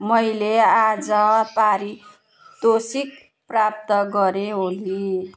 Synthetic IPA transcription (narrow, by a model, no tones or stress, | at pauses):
mʌjlead͡zʌpaɾi | d̪osik̚ | prap̚t̪ʌɡʌɾeɦoli